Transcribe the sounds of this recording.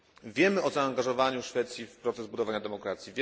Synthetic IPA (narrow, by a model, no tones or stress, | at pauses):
vʲjɛmɘɔzaːŋɡaʐɔvaɲuʂfɛt̪sʲjifpɾɔt̪sɛzbud̪ɔvaɲad̪ɛmɔkɾat̪sʲjivʲ